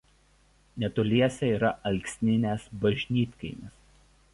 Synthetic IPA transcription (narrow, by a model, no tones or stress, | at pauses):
nʲɛt̪ɔlʲiɛsʲɛiːɾɐʔɐlʲksʲnʲɪnʲeːsbɐʒʲnʲiːt̪ʲkɐɪmʲɪs